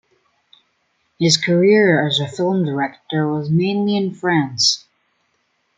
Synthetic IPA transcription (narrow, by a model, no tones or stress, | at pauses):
hɨz̥kʰə˞ɪɹɨzɨfɪlˠmdə˞ɛk̚tə˞wʌzmẽɪ̃nliɨ̃nfɹæ̃ns